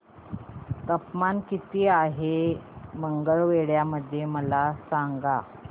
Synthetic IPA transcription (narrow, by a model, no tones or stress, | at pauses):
t̪əpmankit̪iːaɦeməŋɡəɭʋeɭjaməd̪ʱːjeməlasaŋɡa